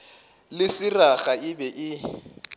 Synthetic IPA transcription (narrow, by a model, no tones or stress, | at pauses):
lɪsɪraχaɪbɛʔɪ